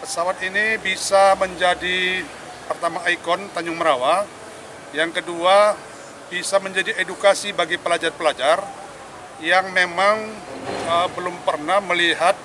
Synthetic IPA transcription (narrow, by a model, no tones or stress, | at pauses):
pəsawat̪inibisaməɲd͡ʒadi | pərt̪amaːikɔnt̪aɲʊŋməɾawa | jaŋkədua | bisaməɲd͡ʒadiedukasibaɡipəlad͡ʒarpəlad͡ʒar | jaŋmemaŋ | əbəlʊmpərnahməliɦat̪̚